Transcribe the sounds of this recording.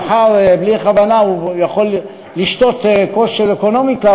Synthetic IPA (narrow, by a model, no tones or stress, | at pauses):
χaʁbliχavanaujaχo̞lː | iʃt̪o̞t̪koʃʃelekono̞mika